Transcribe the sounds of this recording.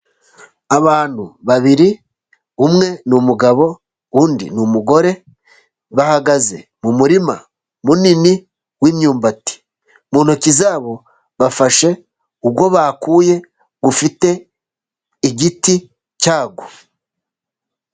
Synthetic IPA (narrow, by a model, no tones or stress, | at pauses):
aβaːn̥huβaβiɾi | umŋe̞numuɡaβo̞ | uːndḭnumuɡo̞ɾe̞ | βahaɡaze̞̰mumuɾima | munini | wiːmɲuːmbati̥ | muːn̥hocizaːβo̞ | βafaʃe̞ | ubɡo̞βaːkuːje̞ | ɡufite̞ | iɟiti | caːɡo